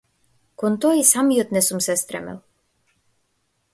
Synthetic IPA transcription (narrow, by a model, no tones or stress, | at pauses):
kont̪ɔisamjət̪nɛsumsɛst̪ɾɛ̰mɛ̰lˠ